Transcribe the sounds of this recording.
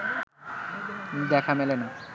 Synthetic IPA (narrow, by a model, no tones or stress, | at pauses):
d̪ɛkʰamelena